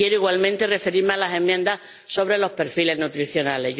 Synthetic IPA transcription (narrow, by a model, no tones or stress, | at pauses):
je̞ɾoiɣwalmẽnt̪ere̞fe̞ɾiɾmealasẽ̞mːjẽnd̪ah | so̞β̞ɾe̞lo̞hpe̞ɾfile̞znut̪ɾiθjo̞nale̞